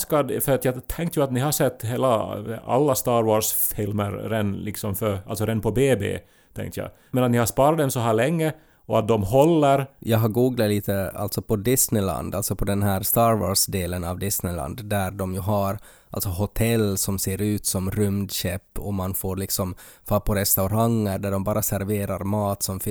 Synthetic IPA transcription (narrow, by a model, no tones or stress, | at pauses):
skɑd̪fœɾɑt̪jæt̪ʰɛŋkt̪jʊɑt̪nɪhɑsɛt̪ːɦeːla̰ɑ̰lːast̪ɑːɾwɔːʂfɪlmə̰ɾɾɛnːlɪksɔmfœɾɑ̰lsɔɾɛnːpʰɔbeːbḛː | t̪ʰɛ̰̃ŋkt̪əja̰ɪ | mɛnɑt̪nɪhɑspɑːɾɑt̪d̪ɛmsɔɦæːɾlɭɛŋːə | ɔɑt̪̚d̪ɔmɦɔlːəɾjʔɑːɡɦɑɾɡuːɡlat̪liːt̪ʰəa̰lt̪sɔpʰɔd̪ɪsnɪla̰nd̪alsɔpʰɔd̪ɛnɦæːɾst̪ɑːɾwɔ̰ːʂd̪eːlənɑvd̪ɪsnɪla̰nd̪ːæɾɖɔmjʉɦaɾ | a̰lt̪sɔɦʊt̪ʰɛlːsɔmseːɾʉ̟ːt̪sɔmɾʏmd̪ɕɛpːɔmanfoːɾɭɪksɔmfɑpʰɔɾɛst̪aʊɾaŋːəɾɖæɖɔmbɑːɾasæɾveːɾaɾmɑːt̪sɔmfɪ